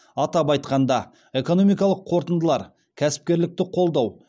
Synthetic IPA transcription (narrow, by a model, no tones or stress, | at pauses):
ɑt̪ɑpɑjt̪qɑnd̪ɑ | e̞ko̞no̞mijkɑlˠəqʰo̞ɾt̪ənd̪əlˠɑɾ | kʲʰæsɪ̥p̚kʲe̞ɾlɪk̚t̪ɪqʰo̞lˠd̪ɑw